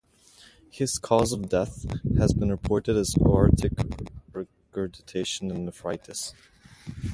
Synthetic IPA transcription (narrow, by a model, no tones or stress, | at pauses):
hɪz̥kʰɔzʌvdɛθhɨzbɨ̃nɹɨpʰɔɹɾɨɾɨzɑɹtʰɨkɹɛ | kʰɹɛdɨtʰeɪʃə̃nɨ̃nðəfɹaɪtʰɨs